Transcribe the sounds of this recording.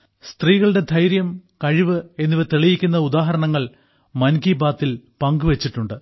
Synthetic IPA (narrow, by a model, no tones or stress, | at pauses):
st̪riːɣɐɭɨɽe̞d̪ʱɐjɾjɐmkɐɻiʋɨe̞nːiʋɐt̪eɭijikʲːunːɐud̪aːɦɐɾɐɳɐŋːɐɭ | mɐnkiːbaːt̪ːilpɐŋɡɨʋe̞t͡ɕːiʈːuɳɖɨ